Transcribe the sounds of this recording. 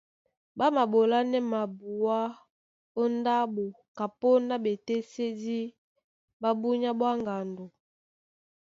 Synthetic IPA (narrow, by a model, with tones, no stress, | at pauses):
ba˦ma˨bo˨la˦nɛ˦ma˨bu˨wa˦ | o˦nda˦bo˨ | ka˨po˦na˦be˨tɛ˦se˦di˦ | ba˦bu˦ɲa˦bwa˦ŋɡa˨ndo˨